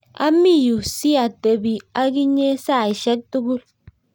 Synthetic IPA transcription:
a̰˦mi˦˨ju˨si˦a˨te˨bi˨a˦ɡi˦ɲe˦sa˦˨e˨ʃe˦k̚tu˦ɡu˦l

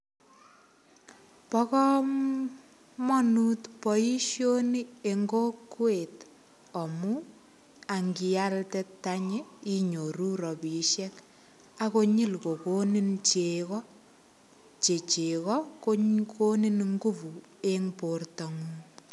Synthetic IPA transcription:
pɔ˦kɔ˦ | mɔ˦nu˦tpɔ˨i˦ʃjo˦ni˦e˨ŋɡo˦kwe˨t | ɔ˨mu˦ | a˨ŋɡi˨ja˦ltɛ˦ta˦ɲe˦i˦ɲo˨ɾu˦ɾɔ˨pi˨ʃɛ˦k | a˦ko˦ɲi˦lko˨ko˦ni˦nt͡ʃe˨kɔ˦ | t͡ʃe˨t͡ʃe˨kɔ˦ko˦ko˦ni˦nŋɡu˦pu˨ | e˦ŋpo˨rtɔ˨ŋu˦

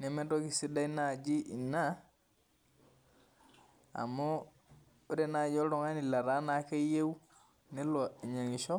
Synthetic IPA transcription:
ne˨me˦do˦ki˨si˦da˦i˦na˨d͡ʒi˦ʔi˨na˦ | a̰˨mo˦ | u˦ɾe˦na˨d͡ʒo˦ɾo˨ŋa˦ni˨la˨ɾa˦na˨ke˦je˦wu˦ | ne˦lo˨i˨ɲa˨ŋɡi˨ʃo˦

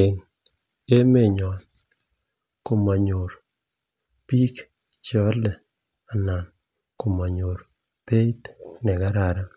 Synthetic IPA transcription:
ɪ˨n | e˦me˦˨ɲɔ˨n | ko˨ma˨ɲo˨ɾ | pi˦k | t͡ʃɔ˦lɛ˨ | a˨na˨n | ko˨ma˨ɲo˨ɾ | pe˦t̪nɛ˨ɡa˦ɾa˨ɾa˦

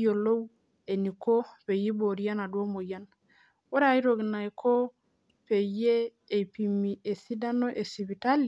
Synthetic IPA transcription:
jo˨lo˦w | e˨ni˨ko˦pe˨ji˦bo˨ɾi˦ja˦na˨dwo˦mo˨ja˦n | wo˦ɾa˦˨˦i˦ɾo˨ɡna˨jkʰo˦ | pe˨jeː˦˨ | pi˨mi˨e˨si˦da˦no˦ʔe˨si˨βi˨ta˦li˨

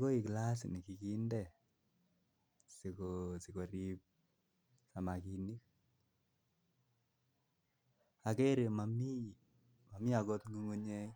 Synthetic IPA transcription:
ko˦i˨kla˦s̬ni˨ki˨ki˦ndɛ˦˨ | si˨kosi˨ko˨ɾip̚ | sa˨ma˨ki˨ni˦k̚ | a˨kɛ˦ɾe˨ma˨mi˦˨ | ma˨mi˦a˨ɡo˦t̪ŋɡu˦ŋu˦ɲe˦

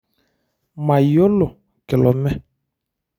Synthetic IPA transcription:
ma˨jɔ˦lʊ˨ | kɪ˨lɔ˨mɛ˦

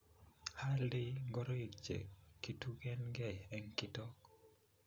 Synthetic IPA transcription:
ha˦ldɪ˦ɡɔ˦ɾɔ˦i˨kt͡ʃḛ˨ki˦tu˦ɡɛ˦nɡɛ˦˨ɛ˦ŋkɪ˦tɔ˦k

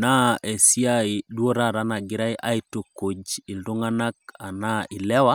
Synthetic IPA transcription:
na˦ʔɛ˨si˦a˦i˨dwo˦ɾa˦˨ɾa˨˦na˨ɡɪ˦ɾa˦e˦ʔa˦i˦to˨ko˨d͡ʒi˨ldo˦ŋa˦na˦ka˨na˦i˨lɛ˦wa˦

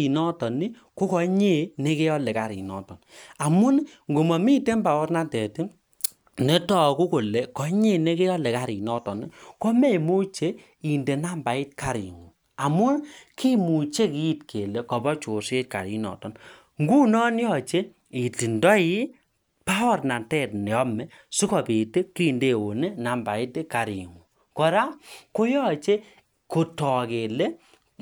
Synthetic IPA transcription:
i˨nɔ˦tɔ˨ni˦ | ko˦kɔ˨˦ɲe˦˨ne˦ke˦jɔ˦le˨ka˨ɾḭ˨nɔ̰˨tɔ˨na˨mu˦nŋɡo˨mɔ˨mi˦te˦mba˨ɔ˦rna˦tɛ˨ti˦ | ne˦tɔ˨ku˦ko˨le˨kɔ˨˦ɲe˦˨ne˦ke˦jɔ˦le˨ka˦ɾi˨nɔ˦tɔ˨ni˦kɔ˦me˦˨mu˦t͡ʃe˦ | i˨nde˨na˦mba˨i˦t̚ka˨ɾḭ˨ŋu˨ | a˨mu˦nkʰi˦mu˨t͡ʃe˦ki˦tkʰe˨le˦kɔ˨bɔ˦t͡ʃo˨se˦t̚ka̰˨ɾi˨nɔ̰˨tɔ˨n | ŋɡu˦nɔ˦n˦jɔ˦˨t͡ʃe˦ | i˨ti˨ndɔ˦ji˦ | pa˦ɔ˦˨rna˨ntɛ˦˨tnɛ˨ɔ˦mɛ˨ | su˦kɔ˨be˨te˦ki˦˨nde˦˨o˨ne˦na˨mba˨ɪ˦te˦ka˨ɾḭ˨ŋu˨ | kɔ˨ɾa˦ko˦jɔ˦˨t͡ʃe˦ | ko˨tɔ˨ke˨le˦

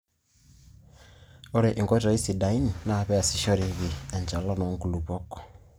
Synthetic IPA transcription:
ɔ˦ɾɛ˨ʔi˨ŋɡɔ˦tɔ˨i˦si˨da˨i˦ni˨na˦˨βɛ˦a˨si˨ʃɔ˦ɾi˨βi˨a˨ɲt͡ʃa˨lɔ˦nɔ˨˦ŋku˨lu˨pɔ˦kɔ̥˨

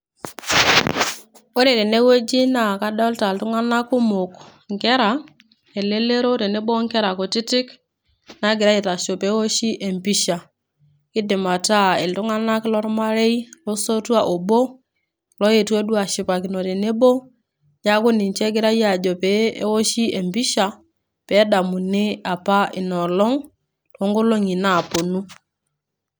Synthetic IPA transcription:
o˦ɾe˨ɾe˨ne˦wo˦d͡ʒi˦na˨ka˦dɔ˦lta˨ltu˦ŋa˦na˦ku˦mʊ˨kŋkɛ˦ɾa˨ | e˨le˦le˦ɾo˦ɾe˨ne˦bo˦ŋkɛ˦ɾa˨ko˨ti˦tɪ˦k | na˦ɡɪ˨ɾa˦ji˨ta˨ʃo˨pe˨˦wo˦ʃi˦ʔe˨mpi˦ʃa˨ | kɪ˦dɪ˨ma˨ta˦˨e˨ltu˦ŋa˦na˦klɔ˦ɾma˦ɾe˦i˦lɔ˦so˦twa˦˨ʔo˨bo˦ | lɔ˦je˨twe˦du˦a˨ʃi˨pa˨kɪ˨nɔ˨ɾe˨ne˦bo˦ | ɲa˦ko˦ni˨ɲt͡ʃɛ˦ɡɪ˦ɾa˦ja˨d͡ʒɔ˨pɛ̰˨˦wo˦ʃi˦e˨mbi˦ʃa˨ | pɛ˨˦da˨mu˨nɪ˦a˨pa˦ʔɪ˨nɔ˨lɔ˦ŋ | to˨˦ŋɡo˦lo˦ŋi˨na˦˨po˨nu˦

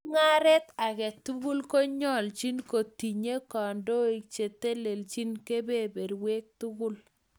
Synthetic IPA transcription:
ŋa˦ɾɛ˦t̪a˨kɛ˨tu˦ɣu˦lko˦ɲɔ˦˨lt͡ʃi˦nko˨ti˨ɲe˦kɔ˨ndo˦i˨k̚t͡ʃe˨te˦le˨lt͡ʃi˦nke˦be˦˨be˨ɾwe˦k̚tʊ˦ɡʊ˦l

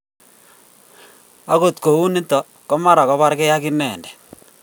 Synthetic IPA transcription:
a˦ko˨t̪ko˨u˦ni˦tɔ˨ | kɔ˦ma˦ɾa˨kɔ˦βa˦ɾke˦ja˦ki˦nɛ˨ndɛ̥˨

